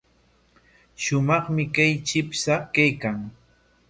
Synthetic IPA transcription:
ʃʊmɑχmɪkajt͡ʃɪpsakajkaŋ

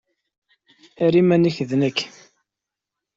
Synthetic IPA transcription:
æɾimæniçðnəkː

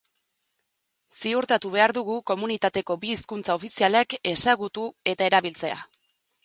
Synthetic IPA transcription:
siuɾt̪at̪uβ̞e̞aɾðuɣ̞uko̞munit̪at̪e̞ko̞biːskunt͡sao̞fisialeke̞saɣut̪ue̞t̪ae̞ɾaβilt͡se̞a̰

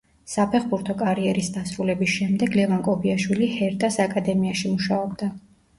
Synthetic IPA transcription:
sapʰɛχbuɾt̪ʰɔkʼaɾiɛɾisd̪asɾulɛbisʃɛmd̪ɛɡlɛvankʼɔbiaʃwilihɛɾt̪ʼasakʼad̪ɛmiaʃimuʃaɔbd̪a

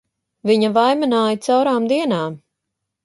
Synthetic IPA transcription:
viɲɐvajmanaːjit̪sawɾaːmd̪iɛnaːm

